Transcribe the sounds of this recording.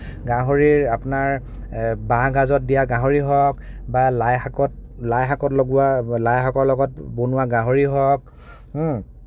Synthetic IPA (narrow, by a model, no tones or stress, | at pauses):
ɡãɦoɹiɹapʊnaɹ | bãɡazɔt̚dijaɡãɦoɹiɦɔk̚balajhakɔtlajɦakɔtlɔɡualajɦakɔɹlɔɡɔt̚bonuwaɡãɦoɹiɦɔk̩̚